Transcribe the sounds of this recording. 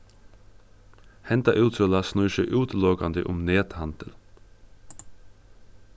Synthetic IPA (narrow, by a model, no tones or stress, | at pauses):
hɛnt̪ɑʔʉːt̪solɑsnʉʏʃəʔʉːt̪loːɡɑnd̪ɪʔʊmneːt̪hɑnd̪̥əl